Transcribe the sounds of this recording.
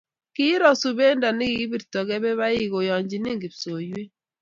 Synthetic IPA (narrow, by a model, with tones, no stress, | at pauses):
ki˦ɾɔ˨su˨be˦nda˨ni˦ki˦bi˦˨ɾtɔ˨ɡɛ˦bɛ˦βa˦ɪ˦ɡo˨jɔ˨ɲd͡ʒi˨ni˦ŋɡi˨pso˨je˦